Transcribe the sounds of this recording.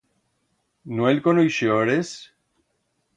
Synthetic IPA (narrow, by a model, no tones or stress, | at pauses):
nwelkonojʃjoɾes